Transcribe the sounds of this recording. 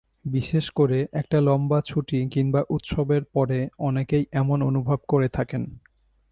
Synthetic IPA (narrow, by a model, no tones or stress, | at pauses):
biʃeʃkoɾeʔɛk̚ʈalɔmbat͡ɕʰuʈikiŋbaʔut̪ʃɔbeɾpɔɾeɔnekejɛmononubʱab̚koɾet̪ʰaken